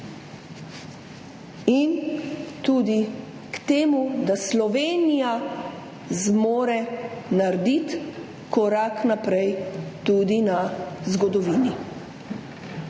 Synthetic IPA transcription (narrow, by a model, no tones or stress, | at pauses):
int̪uːd̪i | kt̪eːmud̪aslɔʋeːnija | zmoːɾɛnaɾd̪it̪ | kɔɾaknapɾɛjt̪uːd̪inazɡɔd̪ɔʋiːni